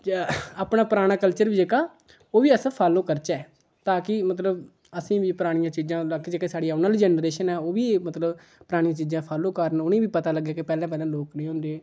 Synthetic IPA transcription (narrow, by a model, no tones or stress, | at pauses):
aːpnaːpɾaːɽ̃aːkəlt͡ʃəɾʋiːd͡ʒeːkaː | oːʋiːəspʰaːloːkəɾt͡ʃɛː | t̪aːkɪmət̪ləb | əsĩːʋiːpəɾaːɽ̃ɪjãːt͡ʃiːzãːlaked͡ʒeːkeːsaːɽijaːʊnaːlid͡ʒɛːnɾeːʃənɛːoːʋiːmət̪ləb | pəɾaːɽ̃jãːt͡ʃiːzãːpʰaːloːkəɾənʊnẽːbiːpət̪aːləɡjaːkepɛːlãːp̬ɛːlãːloːknĩːoʊnd̪eː